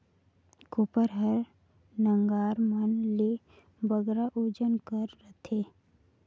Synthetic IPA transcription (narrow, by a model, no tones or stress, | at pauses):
kopəɾɦəɾ | nə̃ŋɡaːɾmənle | bəɡɾaʔoːd͡ʒənkəɾːət̪ʰeː